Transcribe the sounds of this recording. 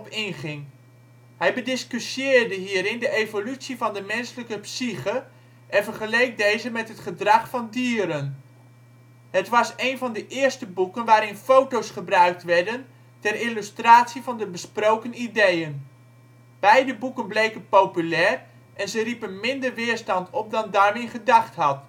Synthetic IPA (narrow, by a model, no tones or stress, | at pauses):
ɔpɪnχɪŋ | ɦɛjbədɪskysjɪːɹdəɦiːɾɪndəʔejvolytsivɑndəmɛnsələkəpsiχə | ʔɛnvərχəlejk̚dejzəmɛtɦətχədrɑχfɑndiːəɾən | ɦətʋɑsejnvɑndəʔɪːɹstəbukənʋaːɾɪnfowtowsχəbrœɥk̚tʋɛɹdən | tɛrilystraːsivɑndəbəsprowkənidejən | b̥ɛjdəbukənblejkənpowpylɛːr | ʔɛnzəripənmɪndərʋɪːəɹstɑntʰɔp̚dɑndaːɹmɪχədɑχtɦɑt